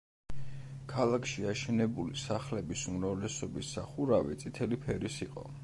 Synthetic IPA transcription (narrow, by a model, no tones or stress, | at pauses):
kʰalˠakʰʃiaʃɛnɛbulisaχlɛbisumɾavlɛsɔbisːaχuɾavɛ̰t̪sʼit̪ʰɛlipʰɛɾisiqʼɔ̰